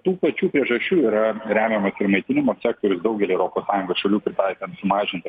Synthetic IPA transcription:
t̪uːpɐt͡ʃʲuːpʲɾʲiɛʒɐʃʲt͡ʃʲuːiːɾɐɾʲæːmʲemɐsɪɾmɐɪt̪ʲɪnʲɪmoːsʲæːk̚t̪oːɾʲʊsd̪ɐʊɡʲɛlʲiːɛʊɾoːpoːssɑːjʊŋɡoːsʃɐlʲuːpʲɾʲɪt̪ɑɪt̪ʲɐnt̪sʊmɑːʒʲɪnʲt̪ʲɪ

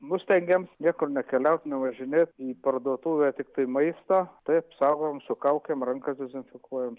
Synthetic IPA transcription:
nʊst̪ʲɛŋʲɡʲɛmsnʲiɛkʊrnʲɛkʲɛlʲɛʊt̪ʲnʲɛʋɐʒʲɪnʲeːt̪iːpɐrd̪uɔt̪uːʋʲɛːt̪ʲɪkt̪ɐɪmɐɪst̪oːt̪ɐɪɐpsɐʊɡomsʊkɐʊkʲemrɐŋkɐsd̪ʲɛzʲɪnʲfʲɪkuɔjɛm

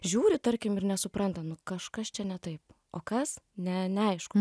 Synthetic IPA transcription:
ʒʲuːɾʲɪt̪ɐɾʲkʲɪmɪrnʲɛsʊpɾɐnt̪ɐnʊkɐʃkɐst͡ʃʲɛnʲɛt̪ɐɪp | o̰ːkɐsnʲɛnʲɛɐɪʃkʊ

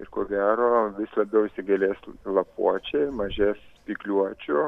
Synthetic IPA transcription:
ɪɾkoːɡʲæːɾoːʋʲɪslˠɐbʲɛʊɪʃʲsʲɪɡɐlʲeːslˠɐpṵɔt͡ʃʲɛɪmɐʒʲeːspʲiːklʲuɔt͡ʃʲʊ

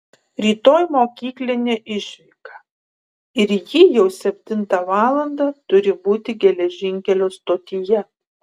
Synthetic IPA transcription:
ɾʲiːt̪oːjmoːkʲiːklʲɪnʲeːʔɪʃʲʋʲɪˑkɐ | ɪɾjiːjɛʊsʲɛpʲt̪ʲɪnt̪ɐʋɑːlˠɐnd̪ɑt̪ʊɾʲɪbuːt̪ʲɪɡʲɛlʲɛʒʲɪŋʲkʲɛlʲoːst̪oːt̪ʲɪjɛ

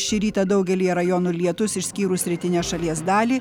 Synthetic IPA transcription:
ʃʲɪɾʲiːt̪ɐd̪ɐʊɡʲɛlʲiːjɛɾɐjoːnuːlʲiɛt̪ʊsɪʃʲsʲkʲiːɾusʲɾʲɪt̪ʲɪnʲeːʃɐlʲiɛsd̪ɑːlʲiː

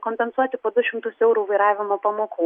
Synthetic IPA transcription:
koːmʲpʲɛnsuɔt̪ʲɪpoːd̪ʊʃʲɪmt̪ʊsɛʊɾuːʋɐɪɾɑːʋʲɪmoːpɐmoːkuː

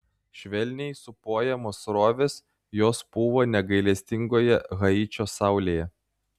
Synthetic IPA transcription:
ʃʲʋʲɛlʲnʲɛɪsʊpoːjɛmoːsɾoːʋʲes | joːsb̥ʊʋoːnʲɛɡɐɪlʲɛsʲt̪ʲɪŋɡoːjɛɣɐiːt͡ʃʲoːsɑˑʊlʲeːjɛ

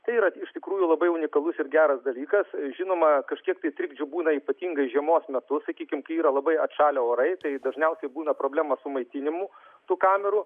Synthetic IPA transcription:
t̪ɐɪiːɾɐɪʃt̪ʲɪkɾuːjʊlˠɐbɐɪʊnʲɪkɐlˠʊsɪɾɡʲæːɾɐsd̪ɐlʲiːkɐsʒʲɪnoːmɐkɐʃʲkʲiɛk̚t̪ɐɪt̪ʲɾʲɪɡd͡ʒʲʊbuːnɐiːpɐt̪ʲiːŋɡɐɪʒʲiɛmoːsmʲɛt̪ʊsɐkʲiːkʲɪmkɐɪiːɾɐlˠɐbɐɪɐt̪ʃɑːlʲooːɾɐɪt̪ɐɪd̪ɐʒʲnʲɛʊsʲɛɪbuːnɐpɾoːblʲæːmɐsʊmɐɪt̪ʲɪnʲɪmu | t̪uːkɑːmʲɛɾuː

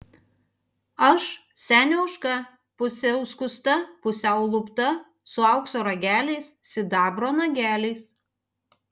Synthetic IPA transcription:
ɐʃsʲæːnʲoʊʃkɐ | pʊsʲɛʊskʊst̪ɐpʊsʲɛʊlˠʊpt̪ɐ | sʊɐʊksoːɾɐɡʲæːlʲɛɪssʲɪd̪ɑːbɾoːnɐɡʲæːlʲɛɪs

